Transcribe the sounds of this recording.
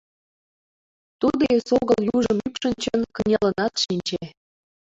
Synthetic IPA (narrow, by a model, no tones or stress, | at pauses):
t̪ud̪esoɣəljuʒəmypʃə̆nt͡ɕənkənʲelənɑt̪ʃinʲt͡ɕe